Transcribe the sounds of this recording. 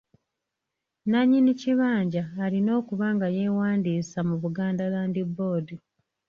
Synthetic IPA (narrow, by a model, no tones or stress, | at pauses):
naɲːiniciβaːɲɟaːlino̞ːkuβaːŋɡaje̞ːwaːndiːsamuβuɡaːndalaːndiboːdu